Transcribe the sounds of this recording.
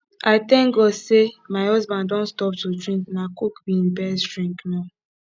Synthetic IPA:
aɪtɛ̃ŋɡɔsemaɪhɔzbãndɔ̃nstɔp̚tudɹĩŋknakokbim̩bɛsdɹĩŋkna

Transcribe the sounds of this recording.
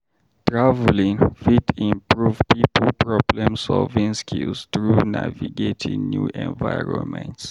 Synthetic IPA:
tɹavlĩŋfidĩmpɹuvpipəlpʰɹɔblɛ̃msɔlvĩŋskʰilstɹuna̰viɡetʰḭ̃njuʔɛ̰̃nvaɪɹɔ̰̃nmɛ̰̃nts

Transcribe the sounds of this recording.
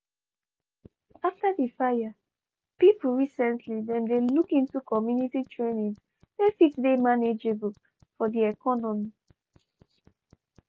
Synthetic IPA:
aftadifaja | pipl̩ɹisɛ̃ntʰlidɛ̃mdelukĩntukɔmjunititʰɹenĩŋz | defikdemaned͡ʒebl | fɔdiɛkɔnɔmi

